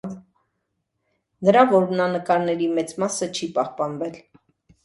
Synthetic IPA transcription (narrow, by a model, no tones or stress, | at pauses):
nəɾɑvɔɾnɑnəkɑɾnɛɾimɛt͡smɑsət͡ʃʰipɑhpɑnvɛl